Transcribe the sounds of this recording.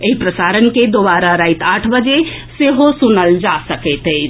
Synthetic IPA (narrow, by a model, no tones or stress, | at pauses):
eɦipɾəsaɾənked̪obaɾaɾajt̪aʈʰbəd͡ʒeseɦosunəld͡ʒasəkɛt̪ə